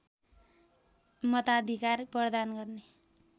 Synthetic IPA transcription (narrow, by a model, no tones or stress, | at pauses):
mʌt̪ad̪ʱikarprʌd̪anɡʌrne